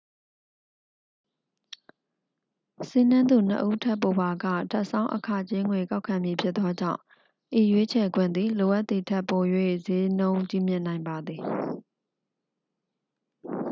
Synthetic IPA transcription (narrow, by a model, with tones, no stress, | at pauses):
si˦nã˦nd̪u˨n̥ə̰˦ʔu˦tʰɛ˦po˨ba˨ɡä̰˦˨tʰa˦ʔsã˦ʊ̃ʔəkʰa̰˦˨t͡ɕe˦ŋwe˨ka˦ʊʔkʰã˨mji˨pʰjɪ˦t̪t̪ːɔ˦d͡ʑã̰˦˨ʊ̃ | ʔi˨jwe˦t͡ɕʰɛ˨ɡwɪ̃˦˨nd̪ði˨lo˨ʔa˦ʔt̪ːi˨tʰɛ˦ʔpo˨jwḛ˦˨ze˦nõ˦ʊ̃t͡ɕi˦˨mjɪ̃˦˨nã˨ɪ̃mba˨d̪ði˨